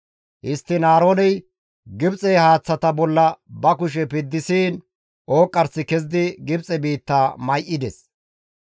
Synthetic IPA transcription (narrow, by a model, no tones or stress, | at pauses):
ʔɪst̪ːɪnaːɾoːnɛj | ɡɪbt͡sʼɛjhaːt͡sːɐt̪ɐbɔlːɐbɐkʊʃ̬ɛpɪd̪ːɪsiːn | ʔoːkʼːɐɾsɪkɛz̬d̪ɪɡɪbt͡sʼɛbiːt̪ːaːmɐjʔɪd̪ɛs